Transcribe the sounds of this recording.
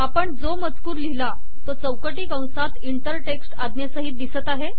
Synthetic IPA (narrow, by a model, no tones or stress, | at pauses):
apəɳd͡zomət͡skuːɾlila | t̪ot͡səwkəʈiːkə̃w̃sat̪iɳʈəɾʈeksʈad̪njasəɦiːt̪̚d̪isət̪aɦe